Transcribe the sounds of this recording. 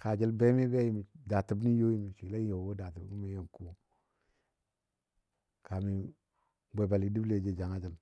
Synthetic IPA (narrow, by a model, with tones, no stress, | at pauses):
ka˨d͡ʒi˦lbe˦mi˦be˦ji˨mi˨da˨ti˨bni˦jo˦ji˦mi˨ʃi˨le˦n˦jo˨wo˦da˨ti˨bi˦mi˦jo˨ŋku˦ | ka˨mi˨ | ɡ͡be˨ba˨li˨di˦ble˨d͡ʒe˦d͡ʒa˨ŋa˦d͡ʒi˦l